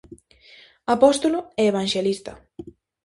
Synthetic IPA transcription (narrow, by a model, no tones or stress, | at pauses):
apɔst̪olʊɛeβ̞aŋʲʃelist̪ɐ